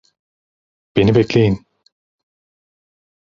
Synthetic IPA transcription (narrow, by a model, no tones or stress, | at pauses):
b̥enibɛclʲejin